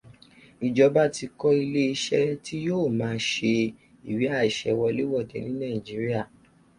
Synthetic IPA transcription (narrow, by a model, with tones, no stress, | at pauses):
i˨d͡ʒɔ˧ba˦ti˧kɔ˦i˧le˦i˧ʃɛ˦ti˦joː˦˨mãː˨˦ʃe˧ | i˨wi˨˦a˦˨i˨ʃɛ̰˨˦wɔ˧li˦wɔ˦˨dɛ̰˨˦nĩ˦nã˦˨ĩ˨d͡ʒi˨˦ɾi˦a˦˨